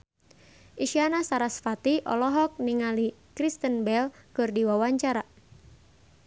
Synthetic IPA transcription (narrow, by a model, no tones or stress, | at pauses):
ʔiʃianasaɾasfat̪iʔɔ̰lɔɦɔk̚niŋalikɾist̪ənbɛlkɨrdiwawaɲt͡ʃaɾa